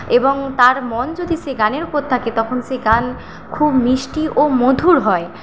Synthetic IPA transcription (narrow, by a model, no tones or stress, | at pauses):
eboŋt̪aɾmɔnd͡ʑod̪ʱiseɡaneɾupoɾt̪ʰaket̪ɔkʰonseɡan | kʰubmiʃʈiʔomod̪ʱuɾɦɔe